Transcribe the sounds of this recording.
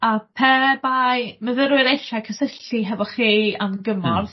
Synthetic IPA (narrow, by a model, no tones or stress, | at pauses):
apʰɛbajməðəɾwɪɾejʃakʰəsəɬiɦɛvɔχianɡəmɔrð